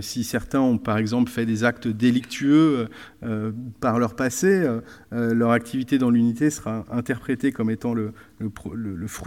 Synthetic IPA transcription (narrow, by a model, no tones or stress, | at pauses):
sisɛʁt̪ɛ̃ɔ̃paʁɛɡzɑ̃plfɛd̪ezakt̪d̪elik̚t̪ʰyøøpaʁlœʁpaseø | lœʁak̚t̪ʰivit̪ed̪ɑ̃lynit̪esəʁaɛ̃t̪ɛʁpχet̪ekɔmet̪ɑ̃lələpχlələfχ